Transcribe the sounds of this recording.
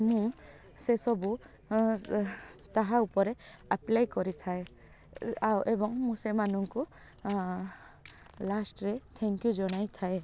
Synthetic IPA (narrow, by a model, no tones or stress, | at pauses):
mũ | sesɔbu | t̪aɦãupɔɾɛaplajkɔɾit̪ʰae | awʔebɔŋmũsemanuŋku | lasʈɹɛt̪ʰɛŋkjuzɔñajt̪ʰae